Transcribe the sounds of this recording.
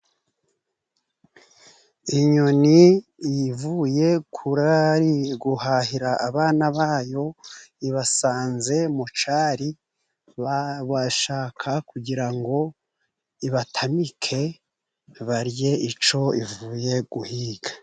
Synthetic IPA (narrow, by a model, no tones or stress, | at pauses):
iɲo̞niivuje̞kʰuɾaɾiɡuhaːhiɾaʔːβaːnaβaːjo̞iβasaːnze̞mut͡ʃaːɾi | βaʃaːkʰakuɟiɾaŋɡo̞ | iβatʰamikʰe̞ | βaɾje̞it͡ʃo̞ivuːje̞ɡ̥uhiːɡ̥a